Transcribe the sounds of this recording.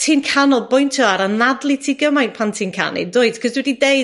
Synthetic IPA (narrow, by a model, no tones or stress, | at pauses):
tʰiːnkʰanɔlˠbʊjntʰɔaɾənadlˠitʰiːɡəmajnpʰantʰiːnkʰa̰nḭdʊɨd̥kʰɔzwɛdidej